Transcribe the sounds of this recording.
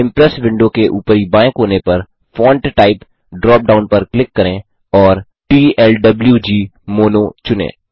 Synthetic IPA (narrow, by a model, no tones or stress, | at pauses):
ɪ̃mpɾɛsʋɪ̃ɳɖõkeʔuːpəɾibãːɪ̃kɦoːnepɐɾ | fɔ̃ːɳʈʈaːɪp | ɖɾɔːp̚ɖaːʊnpɐɾklɪkːɐɾẽː | ɔːɾ | ʈiːɛlɖɐbljud͡ʒiːmoːnot͡ʃʊnḛ̃ː